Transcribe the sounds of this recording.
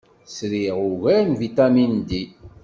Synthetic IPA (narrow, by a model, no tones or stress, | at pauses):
sɾiʁuʝæɾnvit̪æmind̪i